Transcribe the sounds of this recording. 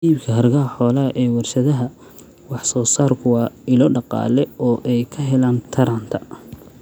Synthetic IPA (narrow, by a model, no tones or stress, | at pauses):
iːbkʰɐɦɐrɡɐɦɐħɔːlɐɐʔɛːwɐrʃɐðɐɦɐ | wɑħsɔːsaːrkʰʊwɑːɪlɔːɖɑqɑ̰ːlɛɔːʔɛjkʰɐɦɛlaːnt̪ʰɐɾaːnt̪ʰɐ